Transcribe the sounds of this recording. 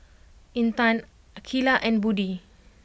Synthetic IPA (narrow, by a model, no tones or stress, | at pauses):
ĩnt̪ãn | akʰilaʔɛ̃nbudi